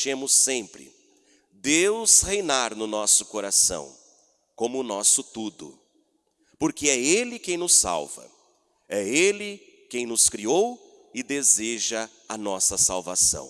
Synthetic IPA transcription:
t͡ʃẽmʊsẽpɾɪ̰ | d̪ewshejnaɾnʊnɔsʊ̥koɾasɐ̰̃w̃ | kõmʊːnɔsʊt̪ud̪ʊ̰ | poɾkeɛelɪkẽj̃nʊsːa̰wvɐ̰ | ɛelɪ | kẽj̃nʊskɾiow | ɪd̪ezeʒɐ | ɐnɔsɐsawva̰sɐ̰̃w̃

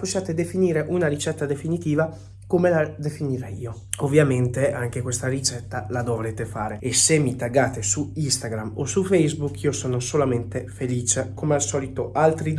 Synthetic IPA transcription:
poʃːaːt̪ed̪efiniːɾeʔunaɾit͡ʃɛt̪ːad̪efinit̪iːva | komelad̪efiniɾɛjiːoovːjament̪eaŋk̟ekwest̪aɾit͡ʃɛt̪ːalad̪ovɾet̪efaːɾeesemːit̪aɡaːt̪esuist̪aɡɾamo̰sufɛjzbukiːosoːnosolament̪efeliːt͡ʃekomealsɔːlit̪oʔalt̪ɾid̪

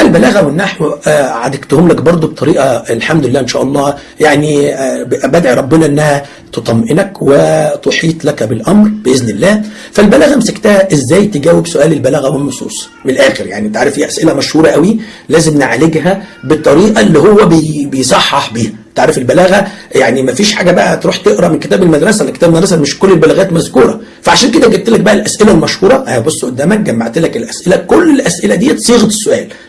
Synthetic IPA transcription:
ʔælbælæːɣæwenːaħwʕad̪ækt̪homlækbɑɾˤd̪ˤobet̪ˤːɑɾiːʔɑlħamd̪ʊelːæːʔenʃæ̰ːʔɑlˤːɑː | jaʕnibʔæbæd̪ʕiɾˤɑbːɪnæʔenːæhæ | t̪ot̪ˤɑmʔenækwet̪oħiːt̪ˤlækæbelʔɑmɾb̥eʔeznelːæː | fælbælæːɣæmesækt̪æhæʔezːæːjt̪eɡæːwebsoʔæːlelbælæːɣæwenːosˤṵːsˤ | menlʔæːxeɾja̰ʕnit̪ʕɾefʔiːʔæsʔelæmæʃhuːɾˤɑʔæwilæːzemneʕleɡɦæbet̪ˤːɑɾiːʔɑelːiːɦowːæbebejsˤɑħːɑħbiːhæt̪eʕɾefelbælæːɣæjaʕnimæfiːʃħa̰ːɡæbæʔæt̪ɾuːħt̪eʔɾˤɑʔmenket̪æːbelmæd̪ɾˤɑsælæke̥t̪æbmæd̪ɾˤɑsæmeʃkolːelbælæɣæːt̪mæzkuːɾˤɑ | fæʕaʃæːnked̪ækɡet̪̚t̪ːelæk̚bæʔælʔæsʔelælmæʃhuːɾˤɑʔæbosˤːoʔod̪ːæːmæk̚ɡæːmbaʕt̪elækelʔæsʔelækolːelʔæsʔelæd̪iːt̪sˤiːɣet̪e̥sːoʔæ̰ːl

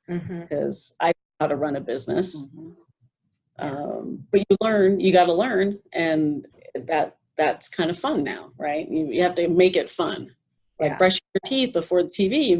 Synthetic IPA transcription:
kʰʌ̰z̥ʔa̰ɪ | aʊɾəɹʌ̃nɨbɪznɨ̰s | ʔʌ̃mb̥ʌt͡ʃɨlɜ̃˞njɨɡɑɾəlɜ̃˞nʔɨ̃nðæt̪̚ | ðætskʰãɪ̃ndʌv̥fʌ̃nːa̰ʊɹaɪt̚jɨjɨhæftɨmeɪkɨtfʌ̰̃n | laɪk̚b̥ɹʌʃɪ̃ŋjə˞tʰiθb̥əfɔɹðətʰivijɨ

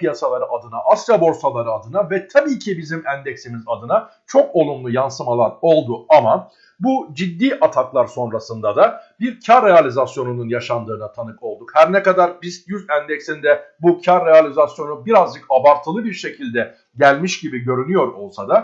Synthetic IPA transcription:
pʰijasalˠaɾɯʔad̪ɯnaʔast̪ɾabo̞ɾsalˠaɾɯad̪ɯnavɛt̪ʰabiːcʰibizimænd̪ɛcsimizad̪ɯna | t͡ʃʰo̞ko̞lˠunlˠujansɯmalˠaɾo̞lˠd̪uama | bud͡ʒid̪ːiːʔat̪ʰaklˠaɾso̞nɾasɯnd̪ad̪abiɾcʰaɾːealʲizasjo̞nununjaʃand̪ɯːnat̪ʰanɯko̞lˠd̪ukhæɾnɛkad̪aɾbizjyzænd̪ɛcsind̪ɛbucʰaɾːealʲizasjo̞nubiɾazd͡ʒɯkabaɾt̪ʰːɯlˠɯbiɾʃe̞cʰilʲd̪ɛ | ɟælʲmiʃɟibiɟø̞ɾynyjo̞ɾo̞lˠsad̪a

